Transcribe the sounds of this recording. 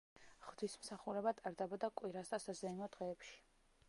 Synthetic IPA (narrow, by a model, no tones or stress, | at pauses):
ʁ̥d̪ismsaχuɾɛbat̪ʼaɾd̪ɛbɔd̪akʼwiɾasasazɛinɔd̪̥ʁɛːpʃi̥